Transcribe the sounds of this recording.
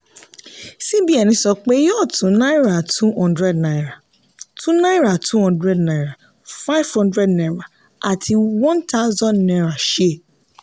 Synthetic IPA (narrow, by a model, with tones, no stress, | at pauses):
si˦bi˦ɛ˨nĩ˨˦sɔ˧k͡pe˦jɔ˦˨tũ˨˦na˦i˦ɾa˨tʰu˦hɔ̃˦ndɾɛ˦dna˨i˨ɾa˨ | tʰũ˦na˦i˦ɾa˨tu˦hɔ̃˦ndɾɛ˦dnã˨i˨ɾa˨ | fa˦i˦v̥hɔ̃˦ndɾɛ˦dnɛ̃˨ɾa˨ | a˨tʰi˧wɔ̃˦nta˦zɔ̃˦nnɛ̃˨˧ɾa˨ʃe˦˨